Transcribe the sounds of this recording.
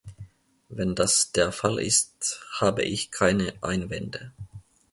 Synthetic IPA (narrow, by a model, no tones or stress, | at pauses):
vɛndasd̥eːɐfalʔɪ̰sthaːbə̰ʔɪçkʰaɪnəʔa̰ɪnvɛndə